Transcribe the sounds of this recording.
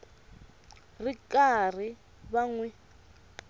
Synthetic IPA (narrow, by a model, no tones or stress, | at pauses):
rikʼar̤i | βaŋwɛ